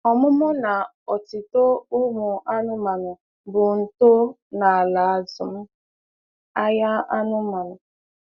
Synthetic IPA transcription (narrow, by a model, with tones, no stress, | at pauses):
ɔ˨mʊ˦mʊ˦na˨ | ɔ˨ti˨to˦ʊ˦mʊ˨ʔa˦nʊ˦ma˨nʊ˨ | bʊ˨n̩˨to˦ | na˨a˨la˨a˨zʊ˨m̩˦ | a˦ja˦a˦nʊ˦ma˨nʊ˨